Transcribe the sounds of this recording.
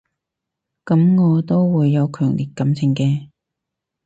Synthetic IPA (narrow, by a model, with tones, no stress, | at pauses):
kɐ˨˥mŋɔː˨˧t̪o˥wwuː˨˧jːɐ˨˧wkʰœː˨˩ŋliː˨t̚kɐ˨˥mt͡sʰɪ˨˩ŋkɛː˧